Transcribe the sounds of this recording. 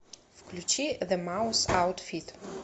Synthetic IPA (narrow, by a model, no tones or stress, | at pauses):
fkʰlʲut͡ʃʰiðəmawsawtfit